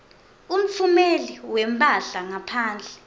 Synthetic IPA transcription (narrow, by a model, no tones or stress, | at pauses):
um̩fumeliwɛm̩bʰʱʼaɮaŋapʰaːnd͡ɮʱɛ